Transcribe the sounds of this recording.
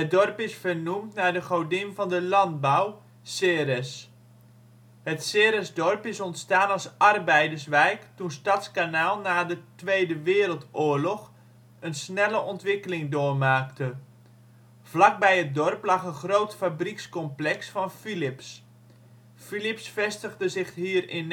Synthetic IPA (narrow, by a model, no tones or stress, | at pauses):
ədɔrpɪsfərnumtnaːdəχowdɪmvɑndəlɑnd̚baw | seːrɛs | hətseɾɛsdɔrpɪsɔntstaːnɑlˠsʔɑrbɛjdəɹsʋɛjktunstɑtskanaːlˠnaːdətʋejdəʋɪːɾəlˠtʊːɹlɔχ | ənsnɛləʔɔntʋɪkəlɪŋdoːrmaːktə | v̥lɑk̚bɛjɦət̚dɔrplɑχənχrowtfabrikskɔmplɛksfɑnfilɪps | filɪpsfɛstəɣdəzɪχɦiːərɪn